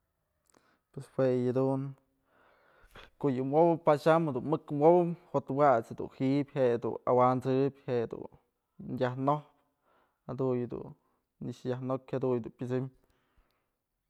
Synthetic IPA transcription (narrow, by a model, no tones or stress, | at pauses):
pweswejad̪uŋ | koʔjɨmobɨpaʃamhad̪unmɨkmobɨmhot̪wat͡shad̪ṵnhiʔbʲhed̪ṵna̰want͡sɨbʲhed̪ṵn | njʲahnohp | had̪ujɨd̪ṵn | niʂjahnokʲhad̪ujd̪unpʲɨt͡sɨm